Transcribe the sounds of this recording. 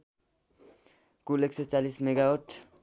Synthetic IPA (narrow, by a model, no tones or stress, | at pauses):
kulekset͡salismeɡawoʈʰ